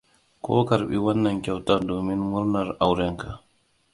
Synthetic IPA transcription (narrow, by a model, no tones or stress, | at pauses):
kɔ̰ːkaɾɓḭwanːankʲɛwtadoːminmuɾnaɾawɾɛŋka